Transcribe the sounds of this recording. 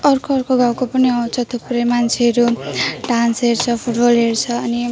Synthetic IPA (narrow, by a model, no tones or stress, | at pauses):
ʌrkoʌrkoɡawkopʌniʌw̃t͡sʰʌt̪ʰupuɾʌjmant͡sʰeɦʌɾuɖansɦeɾt͡sʰʌpʰuʈbʌlɦert͡sʰʌːni